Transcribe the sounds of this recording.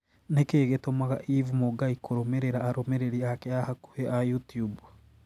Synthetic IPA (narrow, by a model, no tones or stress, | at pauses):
nekeːɡetomaɣaʔivumoɡaikoɾomeɾeɾaːɾomeɾeɾiakeahaku̥heʔajutjub